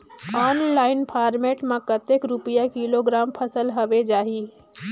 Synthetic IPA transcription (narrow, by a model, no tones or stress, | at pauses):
ɔːnlaːɪnpʰaːɾmeːʈmãkət̪ekɾupijakiloɡɾaːmpʰəsəlɦəʋed͡ʒaːɦi